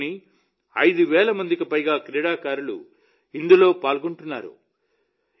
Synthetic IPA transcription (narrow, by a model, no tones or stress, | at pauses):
ni | ɐjd̪uʋɛːlɐmɐnd̪ikipɐjɡaːkɾɛːɽaːkaːɾulṵ | ind̪ulo̞ːpaːlɡoɳʈunːaːɾṵ